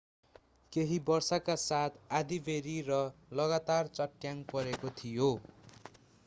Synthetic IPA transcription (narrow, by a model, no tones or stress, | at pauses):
keɦibʌrsakasat̪ʰad̪ibeɾirʌlʌɣat̪art͡sʌʈːjaŋpʌɾekot̪ʰijo